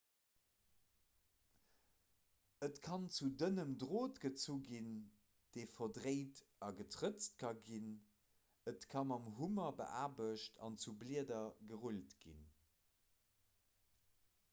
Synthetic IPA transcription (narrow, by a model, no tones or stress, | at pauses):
ətkʰɑnt͡sudənəmdʁoːtɡ̥ət͡suɡin | d̥eɪfɐdʁeɪtɑɡətʰʁət͡st̚kʰɑɡin | ətkʰɑmɑmɦumɐbə̰ʔaːbəʃtʰɑ̰nt͡subliədɐɡəʁultɡ̥ḭn